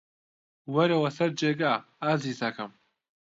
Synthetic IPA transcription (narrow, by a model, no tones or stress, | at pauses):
wɐɾewɐsɐɾd͡ʒeːɡaː | aːziːzɐkʰɐm